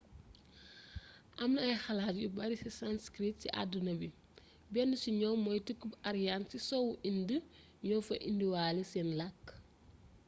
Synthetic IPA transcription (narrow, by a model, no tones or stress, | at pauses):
ʔɐmnɐɐjxalaːtjubɐɾisisanskɾit̚sḭʔa̰dunɐbi | bɛnːusiɲɔmɔjtəkːubaɾjansisɔwuʔində | ɲɔfɐʔindiwaːlisɛnlɐkː